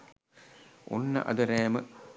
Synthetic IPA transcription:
ʔo̰nːɐ̰ʔɐ̰d̪ɐɾɛːmə

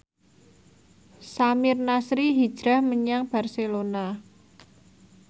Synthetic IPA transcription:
samɪrnasɾiɦid̥ʒ̥ɾahməɲaŋb̥a̤rselona

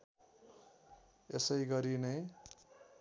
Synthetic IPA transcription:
esʌjɡʌɾinʌj

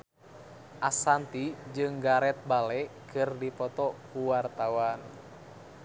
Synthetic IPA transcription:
ʔasant̪id͡ʒɨŋɡaɾɛt̪̚balɛkɨrdipɔt̪ɔkuwart̪awan

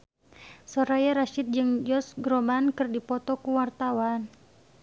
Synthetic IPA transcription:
sɔɾajaɾaʃɪt̪̚d͡ʒɨŋd͡ʒɔsɡɾɔbankɨrdipɔt̪ɔkuwart̪awan

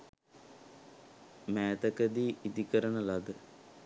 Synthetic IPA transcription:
mæːt̪əkəd̪iːʔid̪ikəɾənəlad̪ə

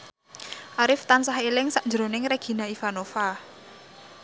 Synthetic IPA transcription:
ʔaɾɪft̪ansaɦilɪŋsaʔnd͡ʒəɾo̤nɪŋreɡ̥i̤naifanofa

